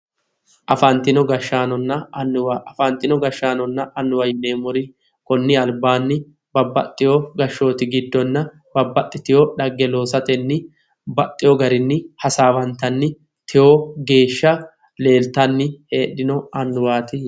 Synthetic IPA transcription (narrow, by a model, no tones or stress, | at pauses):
ʔɐfɐnt̪ːɪnɔɡɐʃːaːnɔnːɐɐnːʊwaʔɐfɐnt̪ːɪnɔɡɐʃːaːnɔnːɐʔɐnːʊwɐjɪneːmʊɾɪ | kɔnːɪɐlbaːnːɪ | bɐbːɐt̪ʼːɪjoɡɐʃːo̞ːt̪ɪɡɪd̪ːɔnːɐ | b̥ɐbːɐt̪ʼːɪt̪ɪjɔɗɐɡːɛlo̞ːsɐt̪ɛnːɪ | bɐt̪ʼːɪjɔɡɐɾɪnːɪhɐsaːwɐnt̪ɐnːɪ | t̪ɪjoːɡe̞ːʃːɐ | le̞ːlt̪ɐnːɪhe̞ːɗːɪnɔɐnːʊwaːt̪ɪ